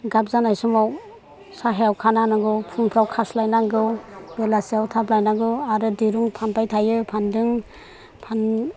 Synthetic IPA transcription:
ɡap̚zanajsumaw | saɦejawkʰananaɡɯwpʰuŋpʰɾawkʰaslajnaɡɯwbelasiawtʰablajnaɡɯwaɾɯdiɾuŋpʰanpajtʰajɯpʰandɯŋ | pʰan

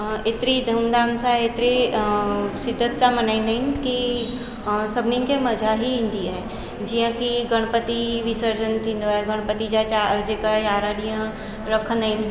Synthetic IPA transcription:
et̪ɾid̪ʱumd̪aːmsaet̪ɾi | sɪd̪ʱət̪samɐnəinənki | səbnĩŋkemɐd͡ʒʱaɦiɪ̃nd̪iaɦɛ | d͡ʒijãkiɡəɽ̃pət̪iʋisəɾd͡ʒənt̪ĩnd̪oeɡəɽ̃pət̪id͡ʒat͡ʃad͡ʒekajaːɾaɽijã | ɾəkʰənəin

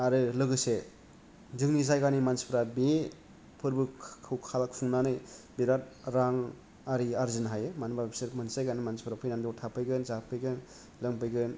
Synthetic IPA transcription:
aɾɯlɯɡɯse | zɯŋnizajɡanimanspʰɾabe | pʰɯɾbɯkʰɯwkʰalkfʰuŋnanɯjbiɾat̚ɾaŋ | aɾiaɾzinɦajemanbabseɾmɯnsajɡanimansipʰɾapʰɯjnandowtʰapʰɯjɡɯnzapʰɯjɡɯn | lɯŋpɯjɡɯn

